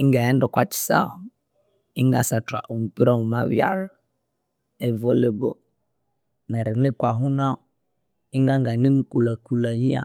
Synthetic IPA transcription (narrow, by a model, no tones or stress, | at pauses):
iŋɡajɛndɔkʷat͡ʃi̥sa̰ | iŋɡa̰sataʔum̩piɾauma̰wja̰ɾ | evoleɡo | nɛɾinekwaɦuna | iŋɡaŋɡanimkulakulajia̰